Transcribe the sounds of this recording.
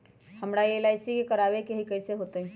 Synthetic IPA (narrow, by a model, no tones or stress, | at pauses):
həmɾaielaɪsikekəɾaːbekeɦikəɪseɦot̪eɦɛ̃